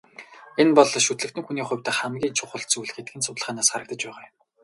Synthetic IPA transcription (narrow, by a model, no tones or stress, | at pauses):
enpɔɮʃut̪ɮɘ̆kt̪ɘ̆ŋxuniːχʊ̟wʲt̪ăχæmɡʲiːnt͡ɕʰʊχʊ̆ɬt̪t͡sujɮxet̪̚ɡɘ̆nsʊt̪ɮ̆ʁaːnaːsχaɾə̆k̚t̪ə̆t͡ɕpæːʁaːm